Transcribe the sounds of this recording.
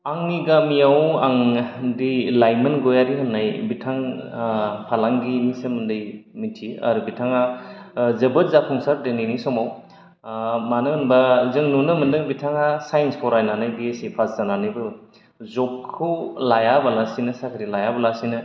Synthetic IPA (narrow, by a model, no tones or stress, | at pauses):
aŋniɡamijawaŋdilajmɯnɡɔjaɾiɦanːajbitʰaŋ | pʰalaŋɡimisɯmɯndɯjmitʰia̰ɾubitʰaŋa | zɯbɯt̚zapʰɔŋsaɾdeninisɔmaw | manɯɯnbazɯŋnunɯmɯndɯŋbitʰaŋasajnspʰɔɾajnanɯjbesipʰaszananɯbɯ | zɔkʰːɯwlajabalasinɐsakʰɾilajabalasinɯ